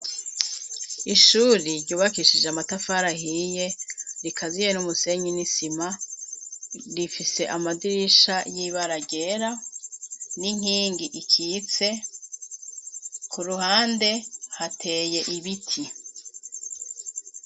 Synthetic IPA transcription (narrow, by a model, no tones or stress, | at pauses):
iʃuːɾiɾɟuːβakiʃid͡ʒeamatafaɾahije̞ɾikʰazijenumuse̞ɲinisima | ɾifise̞ʔamadiɾiʃajiβaɾaɟe̞ɾa | niŋ̥hiːŋɡiʔikʰiːt͡se̞ | kʰuɾuhaːnde̞hatʰe̞ːje̞ʔiβitʰi